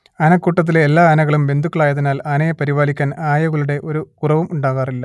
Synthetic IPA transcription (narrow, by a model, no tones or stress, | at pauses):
ɐnɐkːuːʈːɐt̪̬ːileːlːaːɐnɐɣɐɭumbe̞nd̪ʱukːɐɭaːjɐðinaːlɐnɐjepɐɾiʋaːlikʲːaːnaːjɐɣuɭuɽe̞ʔo̞ɾukurɐʋumuɳɖaːɣaːrilːɐ